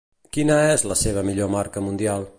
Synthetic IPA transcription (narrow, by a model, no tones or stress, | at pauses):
kinəɛzləseβ̞əmiʎomaɾkəmund̪ialˠ